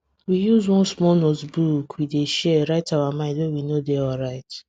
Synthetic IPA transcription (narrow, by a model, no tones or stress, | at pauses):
wijuzwɔ̃nsmɔlnotbukʰwideʃɛɹaɪtawamãɪ̃ndwewinodɛɔlɹaɪt